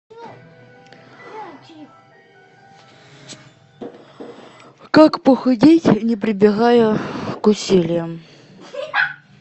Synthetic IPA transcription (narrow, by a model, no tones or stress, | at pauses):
kakpəxɐdʲitʲnʲɪpɾʲɪbʲɪɣajəkʊsʲilʲɪjəm